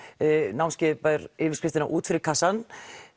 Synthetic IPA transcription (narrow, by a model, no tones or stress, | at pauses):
nawmscɛpaɾɪvɪɾ̥skɾɪft̪ɪnaʔuːt̪fɪɾɪɾkʰasan